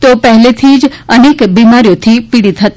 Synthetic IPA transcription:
t̪opɛɦlet̪ʰid͡ʒəneːkbiːmaɾijõt̪ʰipɪɽit̪ɦət̪

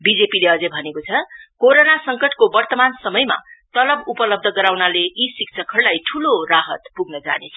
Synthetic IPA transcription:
bid͡zepileʌd͡zʌbʱʌnekot͡sʰʌkoɾonasʌŋkʌʈkobʌrt̪ʌmansʌmʌjma̰t̪ʌlʌbupʌlʌb̚d̪ʱʌɡʌɾawnaleisikt͡sʰʌkɦʌrlajʈʰuloraɦʌt̪puɡnʌd͡za̰net͡sʰʌ

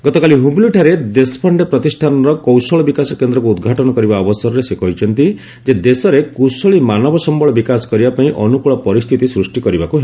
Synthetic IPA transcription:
ɡɔt̪ɔkaliɦubiluʈʰaɾed̪espʰɔɳɖepɾɔt̪isʈʰanɔɾɔkɔwsɔɭɔbikasɔkend̪ɾɔk̬uːd̪ɡʱaʈɔnɔkɔɾibaɔbɔsɔɾɔɾesekɔjt͡ʃʰɔnt̪i | d͡ʒed̪esɔɾekusɔɭimanɔbɔsɔmbɔɭɔbikasɔ̥kɔɾibapaĩʔɔnukuɭɔpɔɾist̪ʰit̪isɾusʈikɔɾibakuɦe

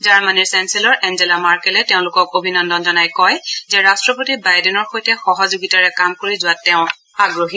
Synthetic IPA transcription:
zaɹmaniɹsɛnsɛlɔɹʔɛnzɛlamaɹkɛlɛteʊ̃lʊkɔkobʱinɔndɔnzɔnajkɔjzɛɹastɹɔpotibajdɛnɔɹxojtɛxɔɦɔzoɡitaɹɛkamkoɹizʊatːɛʊ̃ | aɡɹoɦi

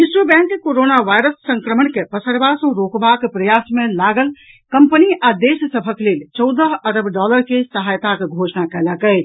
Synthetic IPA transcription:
isəbɛ̃ŋkkoɾonaʋajɾəsːə̃ŋkɾəmənkepəsəɾbasə̃ɾokbakepɾəjasmẽlaɡəl | kəmpəniʔad̪essəbʱəklelt͡ʃəwd̪əɦəɾəbʱɖɔləɾkesəɦajt̪akeɡʱosnakɛləkə

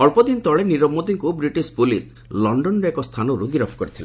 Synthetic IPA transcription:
ɔɭpɔd̪int̪ɔɭeniɾɔmːot̪iŋkubɾiʈispulis | lɔɳɖɔnɾekɔst̪ʰanɔɾuɡiɾɔpʰkɔɾit̪ʰilẽ

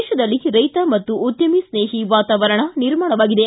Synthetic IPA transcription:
ʃɐd̪ɐlːiɾɐjt̪ɐmɐt̪ːuːd̪jɐmisneːɦiʋaːt̪aːʋɐɾɐɳɐniɾmaːɳɐʋaːɡid̪e

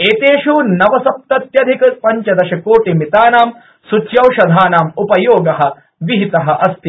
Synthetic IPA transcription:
eːt̪eːʃunɐʋɐsɐp̚t̪ɐt̪jɐd̪ʱikɐpɐɲt͡ʃɐd̪ɐʃɐkoːʈimit̪aːnaːm | sut͡ʃjɐwʃɐd̪ʱaːnaːmupɐjoːɡɐɦɐ̆ | ʋiɦit̪ɐɦɐ̆ʔɐst̪i

